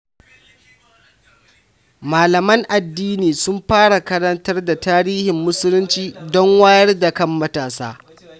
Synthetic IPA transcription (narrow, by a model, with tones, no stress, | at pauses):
maː˨lɐ˨mɐ˦ŋʔa˨dːiː˦niː˨sʊ˦mɸaː˦ɽa˨kɐ˦ɽɐ˦ntɐ˦rda˨taː˦ɽiː˦hɪ˨mːʊ˦sʊ˦lʊ˦nt͡ʃiː˦dɔ˦ŋwaː˦jɐ˦rda˨kɐ˦mːɐ˦taː˨saː˦